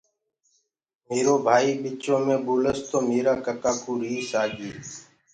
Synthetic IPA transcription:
meːɾoːbʱaːiːɓɪt͡ʃõːmẽːɓuːləst̪oːmeːɾaːkət̪aːkuːɾiːsaːd͡ʒeː

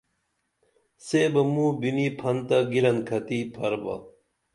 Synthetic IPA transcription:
seːbɐmuːbinipʰɐnt̪ɐɡiɾɐnkʰɐt̪iːpʰɐɾbɐ̰

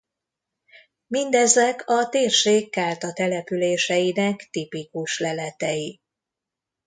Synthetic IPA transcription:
mind̪ɛzɛkʰɒt̪eːrʃeːkːaːlt̪ɒt̪ɛlɛpyleːʃɛjinɛkt̪ipikuʃlɛlɛt̪ɛji

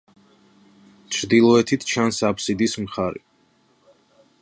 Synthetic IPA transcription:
t͡ʃʰɾd̪ilˠɔɛt̪ʰit̪ʰt͡ʃʰansapʰsid̪ismχaɾḭ

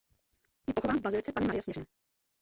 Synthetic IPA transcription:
jɪpoxovaːmvbazɪɾɪt͡sɛpaɲɪmaɾɪjasɲɛʒnɛː

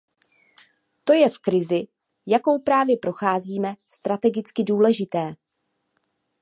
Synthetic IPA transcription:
t̪o̞jɛfkɾɪzɪ | jako̞wpɾaːvjɛpɾo̞xaːziːmɛst̪ɾat̪ɛɡɪt͡skɪduːlɛʒɪt̪ɛː

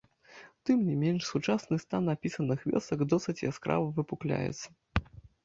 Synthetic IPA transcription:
t̪ɨmnʲimʲenʲʂsut͡ʂasnɨst̪anapʲisɐnɨxvʲɛ̰sɐɡd̪ɔsɨt͡sʲɛskɾa̰vɐvɨpuklʲa̰jɛ̰t̪sːɐ̥

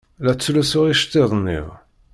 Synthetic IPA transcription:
læt͡sːlusʊʁiʃt̪ːiðˤnːḭʁ

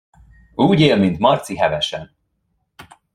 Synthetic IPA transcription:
uːɟeːlmint̪mɒrt̪siɦɛvɛʃɛn

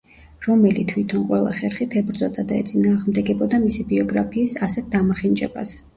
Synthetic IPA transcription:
ɾɔmɛlit̪ʰwit̪ʰɔnqʼwɛlˠa̰χɛɾχit̪ʰɛbɾd̪zɔt̪ʼad̪aɛ̰t̪sʼinaːʁmd̪ɛɡɛbɔd̪amisibiɔɡɾapʰiːsasɛt̪̚d̪amaχind͡ʒɛ̰ba̰s

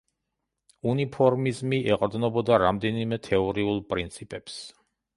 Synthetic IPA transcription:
unipʰɔɾmizmiʔɛqʼɾd̪nɔbɔd̪aɾamd̪ɛnimɛt̪ʰɛɔɾiulˠpʼɾint̪sʰipʼɛps

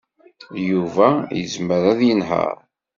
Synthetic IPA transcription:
juvæjəzməɾæðjənɦə̰ɾ

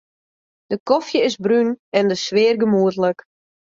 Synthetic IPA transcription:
d̥əkɔfjəɪzbrynɛndəsʋɪːrɡəmuətlək

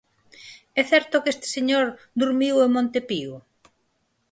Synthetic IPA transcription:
ɛθɛɾt̪okest̪ɪ̥seɲoɾ | d̪uɾmiwemõnt̪epiu

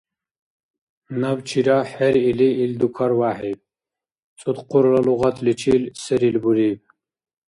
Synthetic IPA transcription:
nɐwt͡ɕʰiɾaħeɾiliːld̪ukʰɐɾwaːħib̚ | t͡sʼut̪quɾlɐluʁɐt̪ʰlit͡ɕʰilsəɾilbuɾib

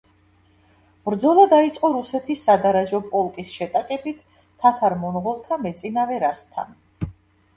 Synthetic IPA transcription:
b̥ɾd̪zɔlˠad̪ait̪sʼqʼɔɾusɛt̪ʰisːad̪aɾaʒɔpʼɔlˠkʼisʃɛt̪ʼakʼɛbit̪ːʰ | at̪ʰaɾmɔnʁɔlˠt̪ʰamɛt̪sʼinavɛɾast̪ʰa̰n

